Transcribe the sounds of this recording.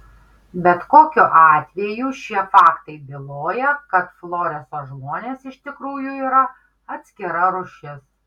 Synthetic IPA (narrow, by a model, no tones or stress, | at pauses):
bʲɛt̪koːkʲʊʔɑːt̪ʲʋʲɛjuːʃʲiɛfɑːkt̪ɐɪbʲɪlˠoːjɛkɐt̪flˠoːɾʲɛsoːʒmoːnʲeːsɪʃt̪ʲɪkɾuːjuiːɾɐ | ɐt̪ʲsʲkʲɪɾɐɾʊʃʲɪs